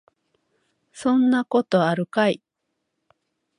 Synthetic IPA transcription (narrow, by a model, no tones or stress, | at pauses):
sõ̞nːako̞t̪o̞aɾɯ̟kai